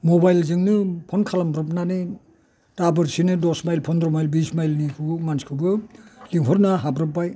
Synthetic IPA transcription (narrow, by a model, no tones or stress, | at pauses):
mobajlzɯŋnɯpʰɔnkʰalambɾɔp̬̚nani | tabɯɾsinɯdɔsmajlpʰɔndɾɔmajlbismajlnikʰumanskʰɯbɯliŋɦɔɾnaɦabɾɯpːaj